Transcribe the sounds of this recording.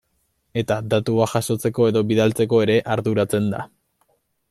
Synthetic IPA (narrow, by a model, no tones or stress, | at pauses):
e̞t̪ad̪at̪uaʝaso̞t͡se̞ko̞e̞ðo̞βiðalt͡se̞ko̞e̞ɾe̞ʔaɾðuɾat͡se̞nd̪a̰